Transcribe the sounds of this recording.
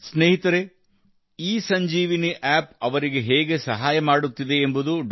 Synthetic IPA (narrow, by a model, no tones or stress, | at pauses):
sneːɦit̪ɐɾe | iːsɐɲd͡ʒiːʋiniʔaːp̚ɐʋɐɾiɡe̞ɦɛːɡe̞sɐɦaːjɐmaːɽut̪ːid̪e̞ːmbud̪uɖ